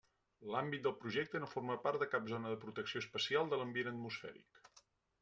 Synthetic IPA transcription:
lambit̪̚d̪əlˠpɾuʒɛk̚t̪ənoforməpaɾt̪d̪əkap̚zonəðəpɾut̪əksioəspəsialˠd̪ələmbienət̪musfɛ̰ɾḭk

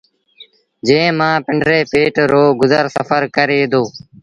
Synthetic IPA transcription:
d͡ʒẽːmãːpɪɳɖɾeːpeːʈɾoːɡʊzəɾsəfəɾkəɾeːd̪oː

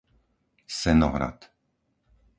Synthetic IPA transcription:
sɛnɔ̰ɦɾa̰t̪

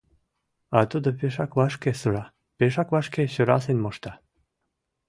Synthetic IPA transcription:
ɑt̪ud̪əpeʃɑkβɑʃkesəɾɑ | peʃɑkβɑʃkeɕəɾɑsenmoʃt̪ɑ

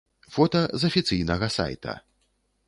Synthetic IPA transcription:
fɔt̪ɐzɐfʲit̪sɨjnɐɣɐsa̰jt̪ɐ̰

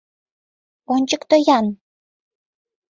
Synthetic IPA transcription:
onʲt͡ɕəkt̪ojɑn

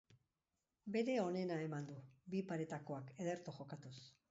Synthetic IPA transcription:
be̞ɾe̞o̞ne̞nae̞mand̪ubipaɾe̞t̪ako̞akeð̞e̞ɾt̪oxo̞kat̪us

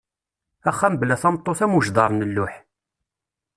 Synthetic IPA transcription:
æχːæmbəlæθɑmt̪ˤːoθæmuʒd̪ˤɑɾˤnəlːʊħ

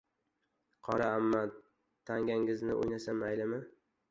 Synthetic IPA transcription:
qʰɒɾaamːa | t̪ʰːaŋɡʲaŋɪznɪ̰ʔo̰jnasamajlɪmɪ

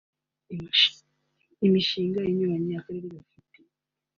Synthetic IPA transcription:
imiʃiːŋɡajiɲuβaɲɲaːkaɾiɾiβafite

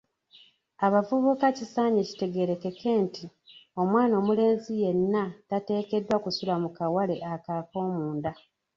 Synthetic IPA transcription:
aβavuβukacisaːɲeci̥te̞ɡe̞ɾe̞ke̞kʰe̞ːnti | o̞mwaːno̞ːmule̞ːnzije̞nːatate̞ːke̞dwakusulamukawale̞ʔakaːko̞ːmuːnda

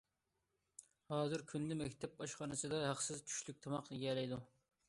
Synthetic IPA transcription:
hɑːzɨɾkʲʰynd̪ɪmɛkʲt̪ʰɛp̚ɑʃχɑnɨsɨd̪ɑɦɑqsɪzt͡ʃʰy̥ʃlyk̚ʲt̪ʰɑmɑqd̪ɨɡʲɛːlɛjd̪u

